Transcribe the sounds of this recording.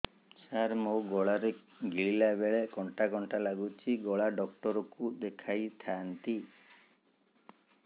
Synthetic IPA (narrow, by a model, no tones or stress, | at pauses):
saɾmoɡɔɭaɾe | ɡiɭilabeɭekɔɳʈakɔɳʈalaɡut͡ʃʰiɡɔɭaɖɔk̚ʈɔɾɔkud̪ekʰajt̪ʰant̪i